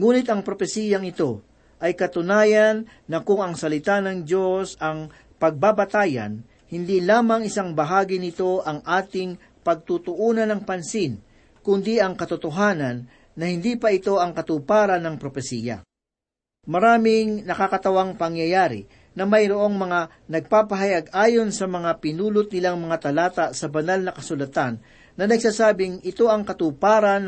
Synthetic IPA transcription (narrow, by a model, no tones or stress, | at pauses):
ŋuːnɪt̪ɐŋpɾo̞pɛsiːjɐŋɪt̪o̞ | ʔɐjkɐt̪ʊnaːjɐnːɐkʊŋɐŋsɐlɪt̪anɐŋd͡ʒo̞sɐŋ | pɐɡ̚baːbɐt̪aːjɐ̰n | hɪnd̪ilaːmɐŋɪsaŋbɐɦaːɡɪnɪt̪o̞ʔɐŋʔaːt̪ɪŋ | pɐɡ̚t̪ut̪ʊʔuːnɐnɐŋpɐnsin | kʊnd̪iʔɐŋkɐt̪ʊt̪oɦaːnɐnː | ɐhɪnd̪iːpɐʔɪt̪o̞ɐŋkɐt̪uːpaːɾɐnɐŋpɾopɛsiːjɐ̰ | mɐɾaːmɪŋnɐkakɐt̪ɐwaŋpɐŋjɐjaːɾɪ̰ | nɐmɐjɾoʔo̞ŋmɐŋa | nɐɡ̚paːpɐɦɐjaɡaːjo̞nsɐmɐŋapɪnuːlʊt̪̚nɪlaŋmɐŋat̪ɐlaːt̪ɐsɐbɐnalnɐkɐsʊlɐt̪anː | ɐnɐɡsaːsaːbɪŋɪt̪o̞ʔɐŋkɐt̪uːpaːɾɐn